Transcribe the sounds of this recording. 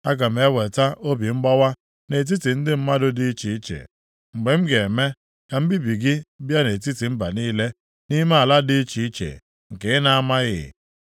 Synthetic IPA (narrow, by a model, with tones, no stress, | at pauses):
a˦ɡa˨m̩˨e˦we˨ta˦ʔo˦bi˨ŋ͡m̩˦ɡ͡bɔ˦wa˦ | ne˨t̬i˦ti˨n̩˦dɪ˦m̩˦ma˦dʊ˦di˦i˦t͡ʃi˨i˦t͡ʃḛ˨ | ŋ͡m̩˨ɡ͡be˨m̩˦ɡe˨me˦ | ka˨m̩˦bi˦bi˨ɡɪ˦bja˦ne˨t̬i˦ti˨m̩˦ba˨niː˦le˦ | ni˦me˦a˨la˦di˦i˦t͡ʃi˨i˦t͡ʃḛ˨ | ŋ̩˨ke˨ɪ˦na˦˨a˦ma˦ɣɪ̰˨